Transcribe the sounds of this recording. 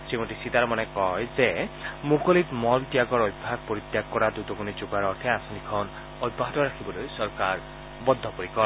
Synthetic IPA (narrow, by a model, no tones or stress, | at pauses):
simuʈisit̪aɾɔmanɛkɔjzemokɔlit̪mɔltijaɡɔɾɔjbʱaɡ̚pɔɾit̪jak̚kɔɾad̪ut̪ɔkunit͡ʃuɡaɾɔɾt̪ʰɛasɔnikʰɔn | ɔjbːaɦatɔɾakʰibɔlojsɔɾkaɹ | bɔd̪ʱːɔpɔɾikɔ